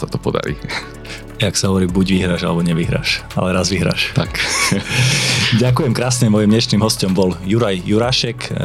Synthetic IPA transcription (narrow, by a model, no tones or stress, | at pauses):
sat̪ɔpɔd̪a̰ɾḭː | aksaɦɔʋɔɾiːbuɟʋiɦɾaːʒa̰lɛbɔɲɛʋiɦɾa̰ːʃa̰lɛɾazʋiɦɾa̰ːʃt̪ak | ɟakujɛmkɾaːsɲɛmɔjimɲɛʃniːmɦɔscɔmbɔljuɾajːuɾaːʃɛk